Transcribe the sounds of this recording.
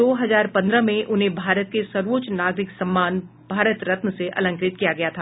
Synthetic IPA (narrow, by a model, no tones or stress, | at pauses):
oːɦɐzaːɾpɐ̃nd̪ɾəmẽʔʊnɦẽbʱaːɾət̪̚kesɐɾʋoːt͡ʃnaːɡɾɪksɐ̃mːaːn | b̥ʱaːɾət̪ɾɐt̪məseʔɐ̰lə̃ŋkɾɪt̪kijaɡɐjat̪ʰaː